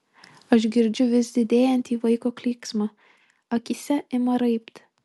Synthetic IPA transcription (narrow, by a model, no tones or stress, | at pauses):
ɐʃ̬ɡʲɪɾʲd͡ʒʲʊʋʲɪsd̪ʲɪd̪ʲeːjɛnʲt̪ʲiːʋɐɪkoːklʲiːksmɐ | ɐkʲisʲɛɪmɐɾɐɪpt̪